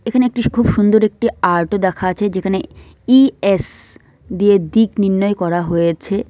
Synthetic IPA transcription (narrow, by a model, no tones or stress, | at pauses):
ekʰaneek̚ʈikʰubʃund̪oɾek̚ʈiaɾʈod̪ɛkʰat͡ɕʰed͡ʑekʰane | ies | d̪ijed̪ikniɾnɔejkɔɾaɦojet͡ɕʰe